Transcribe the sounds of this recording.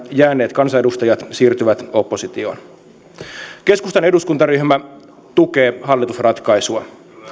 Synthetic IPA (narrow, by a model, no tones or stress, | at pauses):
jæːnːe̞ːt̪kɑnsɑedust̪ɑjɑt̪siːrt̪yʋæt̪opːo̞sit̪io̞̰ːn | ke̞skust̪ɑne̞duskunt̪ɑryhmæ | t̪uke̞ːɦɑlːit̪usrɑt̪kɑjsuɑ